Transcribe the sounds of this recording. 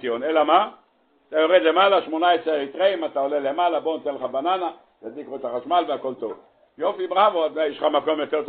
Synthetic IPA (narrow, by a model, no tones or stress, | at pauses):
ionelama | t̪ajo̞ʁed̪le̞malaʃmo̞naesʁeit̪ʁeimat̪ao̞lele̞malabonat̪enleχabanana | jadikʁot̪aχaʃmalveako̞lt̪o̞v | jofibʁavot̪ajeʃχamako̞mjo̞t̪eʁt̪